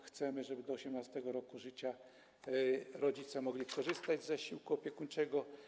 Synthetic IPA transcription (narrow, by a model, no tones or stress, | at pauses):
xt̪sɛmɘʐɛbɘd̪ɔːɕɛmnast̪ɛɡɔɾɔkuʐɘt͡ɕa | ɾɔd͡ʑit̪sɛmɔɡlʲikɔʐɘst̪ad͡ʑzaɕiwkuɔpʲjɛkuɲt͡ʂɛɡɔ